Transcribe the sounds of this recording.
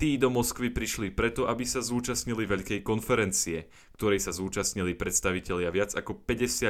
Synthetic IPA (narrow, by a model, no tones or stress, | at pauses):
t̪iːd̪ɔmɔskʋipɾiʃlipɾɛt̪ɔʔabisazuːt͡ʃasɲiliʋɛʎkɛjkɔnfɛɾɛnt͡siɛ | kt̪ɔɾɛjsazuːt͡ʃasɲilipɾɛt̪st̪aʋicɛʎɪaʋɪad͡zakɔpɛɟɛsɪa